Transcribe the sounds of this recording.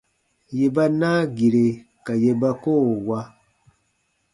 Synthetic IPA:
je˨ba˦naː˦ɡi˨ɾe˨ | ka˨je˧ba˧ko˦˨wa˧

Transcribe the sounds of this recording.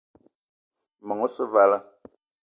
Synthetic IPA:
mɔ˨ŋo˦sə˦va˦la˦

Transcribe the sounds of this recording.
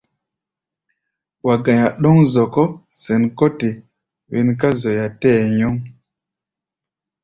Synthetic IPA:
wa˨ɡã˨ja˨ɗɔ˦ŋzɔ˨kɔ˦sɛ˨nkɔ˦ti˨ | wi˨nka˦zo˨ja˨tɛ˦˨jɔ˦ŋ

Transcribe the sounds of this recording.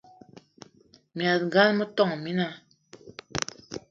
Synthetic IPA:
mja˨t̚ɡa˦nmə˦tɔ˦˨ŋ˨mi˦na˦

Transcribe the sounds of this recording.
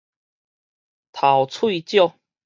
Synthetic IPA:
t̪ʰa˨˩wt͡sʰwi˥˧t͡ɕjo˥˨

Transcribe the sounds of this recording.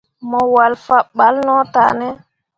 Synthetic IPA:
mɔ˨wa˨lfa˦ɓa˦lnɔ˦ta˨nɛ˦

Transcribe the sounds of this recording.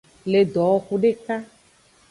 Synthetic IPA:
le˨d̪ɔ˨xu˨ɖe˦ka˦

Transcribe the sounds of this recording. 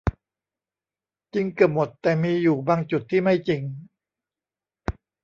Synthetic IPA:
t͡ɕi˧ŋkɯ˨˩p̚mo˨˩t̪ːɛː˨˩miː˧juː˨˩baː˧ŋt͡ɕu˨˩t̪ʰːiː˥˩ma˥˩jt͡ɕi˧ŋ

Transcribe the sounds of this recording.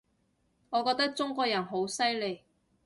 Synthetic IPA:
ŋɔː˨˧kɔː˧k̚t̪ɐ˥k̚t͡sʊ˥ŋkʷɔː˧jɐ˨˩nɦo˨˥wsɐ˥jle˨˧j

